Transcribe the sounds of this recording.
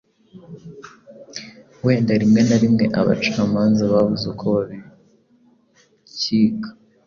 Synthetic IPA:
we̞ːndaɾimŋe̞naɾimŋe̞ʔa̰βa̰t͡ʃaamaːnzaβaβuzukʰoβaβi | ciːkʰḁ

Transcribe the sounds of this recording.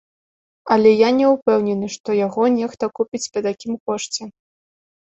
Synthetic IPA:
ɐlʲɛjanʲɛupɛwnʲɛnɨʂt̪ɔjaɣɔnʲɛxt̪ɐkupʲit͡sʲpɐt̪akʲimkɔʂt͡sʲɛ

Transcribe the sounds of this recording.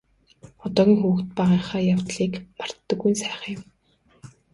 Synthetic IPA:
ɔt̪ɔːɣʲiːŋxuwɘ̆xt̪̚pæʁiːɴχaːjawt̪ɮiːkmar̥t̪ːə̆ɡːujnsæːχə̆ŋʊ̆m

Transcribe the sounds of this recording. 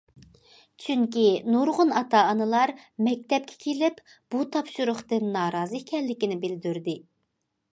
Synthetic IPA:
t͡ʃʰyŋkʲinuɾʁʊnɑt̪ʰɑːnɨlˠɑɾmɛk̚ʲt̪ɛp̚kʲʰɛ̥kʲʰelɪp | b̥ut̪ʰɑpʃuɾʊχt̪ɨnːɑːɾɑːzɨkʲʰɛlːɪkʲinɪbɪld̪yɾd̪ɪ

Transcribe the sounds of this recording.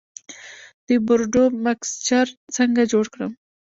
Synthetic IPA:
d̪̥əbʊɾɖomakst͡ʃaɾt͡səŋɡad͡ʒoɽkɽəm

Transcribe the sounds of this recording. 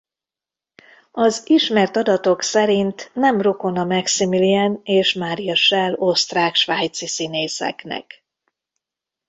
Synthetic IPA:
ɒziʃmɛrt̪ɒd̪ɒt̪o̞ksɛɾint̪nɛmro̞ko̞nɒmɛksimilianeːʃmaːɾijɒʃɛlo̞st̪raːkʃʋaːjt̪sisineːsɛ̰knɛ̰k

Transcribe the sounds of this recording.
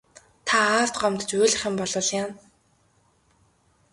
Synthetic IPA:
t̪ʰaaːrt̪ɢɔmt̪t͡ɕʊːɮɪ̆χɪ̆mpɔɮɞ̆ːɮjaːn

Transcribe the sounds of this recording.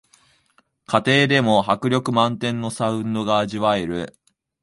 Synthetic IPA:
kʰat̪e̞ːd̪e̞mo̞ɦakɯ̟ɾʲo̞kɯ̟mãnt̪ẽ̞nːo̞saɯ̟̃nd̪o̞ɡaːʑiβae̞ɾɯ̟

